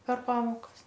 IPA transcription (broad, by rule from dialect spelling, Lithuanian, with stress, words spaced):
pʲɛr ˈpɑːmoːkɐs